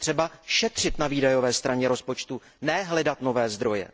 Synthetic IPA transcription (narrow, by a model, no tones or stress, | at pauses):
t̪r̝̥ɛbaʃɛt̪r̝̥ɪt̪naviːdajo̞vɛːst̪ɾaɲɛɾo̞spo̞t͡ʃt̪u | nɛɦlɛdat̪no̞vɛːzd̪ɾo̞jɛ̰